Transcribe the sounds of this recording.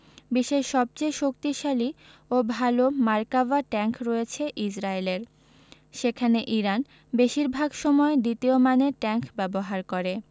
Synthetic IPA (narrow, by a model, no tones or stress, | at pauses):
biʃeʃɔb̚t͡ɕejʃokt̪iʃaliobʱalomaɾkavaʈɛŋkɾɔjet͡ɕʰeʔid͡ʑɾaeleɾ | ʃekʰaneʔiɾan | beʃiɾbʱaɡʃɔmɔed̪it̪iomaneɾʈɛŋkbɛboɦaɾkoɾe